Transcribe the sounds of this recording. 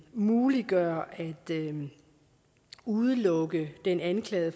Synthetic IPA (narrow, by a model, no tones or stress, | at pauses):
muːliɡ̥ɶɐæd̥ | uðˠəlɔ̽ɡ̥əd̥enænkʰlɛ̰ːð̩ˠ